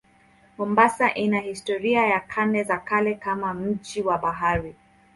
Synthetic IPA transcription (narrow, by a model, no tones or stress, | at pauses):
mɔmbasaʔinahistɔɾiajakʰanɛzakalɛkamam̩d͡ʒiwaɓaɦaɾi